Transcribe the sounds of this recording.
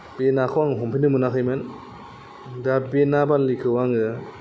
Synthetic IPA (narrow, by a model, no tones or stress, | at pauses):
b̥enakʰɯwaŋɦɔmpʰinɯmɯnakʰɯjmɯn | dabenabalikʰɯwaŋɯ